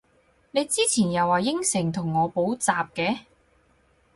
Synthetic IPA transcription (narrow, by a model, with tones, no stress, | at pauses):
ne˨˧jt͡siː˥t͡sʰiː˨˩njɐ˨˩wːaː˨jɪ˥ŋsɪ˨˩ŋt̪ʰʊ˨˩ŋːɔː˨˧po˨˥wt͡saː˨p̚kɛː˨˧˥